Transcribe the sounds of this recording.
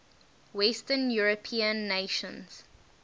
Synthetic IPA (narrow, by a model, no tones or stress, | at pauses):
wɛstənjuɹəpʰĩə̃nːeʃə̃nz̥